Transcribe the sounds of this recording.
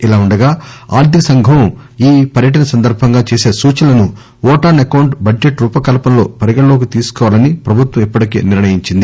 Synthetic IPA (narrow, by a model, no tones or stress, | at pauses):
ilaːuɳɖɐɡaːa̰ːɾd̪ʱisɐŋɡʱɐwiːpɐɾjɐʈ̬ɐnɐsɐnd̪ɐɾbʱɐŋɡaːt͡ʃeːse̞ːsuːt͡ʃɐlɐnu | ɔːʈaːnɐkɐwɳʈbɐɖd͡ʒeʈɾuːpɐkɐlɐpɐmlo̞ːpɐɾiɡɐlo̞ːk̬it̪iːsu̥kɔːʋaːlɐnipɾɐbʱut̪ʋɐ̃mipːɐʈike̞̰ːniɾɳɐjiɲt͡ʃind̪i